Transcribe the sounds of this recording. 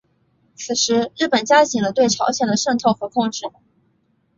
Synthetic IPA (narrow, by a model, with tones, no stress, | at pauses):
t͡sʰɹ̩˨˩ʂɻ̩˧˥ɻɻ̩˥˩pə˨˩nt͡ɕja˥ɕi˨˩ŋlə˦t̪we˥˩ɪʈ͡ʂʰɑ˧˥ʊɕjɛ˨˩nd̪ə˩ʂə˥˧ŋt̪ʰɤ˥˩ʊxɤ˧˥kʰʊ˥˧ŋʈ͡ʂɻ̩˥˩